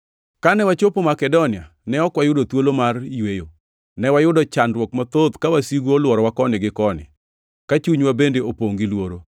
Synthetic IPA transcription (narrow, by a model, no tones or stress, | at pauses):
kanɛwat͡ʃopomakɛdonɪa | nɛɔkwajʊdot̪wolomariwejo | nɛwajʊdɔt͡ʃandwɔkmɔt̪od̪kawasiɡolwɔɾɔwakɔnɪɡɪkɔnɪ̰ | kat͡ʃuɲwabendeopoŋɡilwoɾo